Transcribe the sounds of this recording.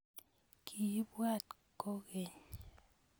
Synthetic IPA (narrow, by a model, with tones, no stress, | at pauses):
kʰi˨˦bwa˦˨t̚ | ko˦ɣe˨ɲ